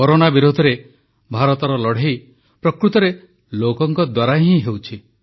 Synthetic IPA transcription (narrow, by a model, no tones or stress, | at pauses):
kɔɾonabiɾud̪ʱɔɾe | bʱaɾɔt̪ɔɾɔlɔɽ̤ej | pɾɔkɾut̪ɔɾe | lokɔŋkɔd̪waɾaɦĩɦewt͡ʃʰi